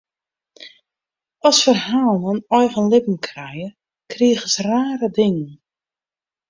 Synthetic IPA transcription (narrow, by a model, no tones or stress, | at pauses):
ɔsfərhaːlˠənɔjvənlɪpm̩kʰrɛjə | kriəɣəsraːɾədɪŋən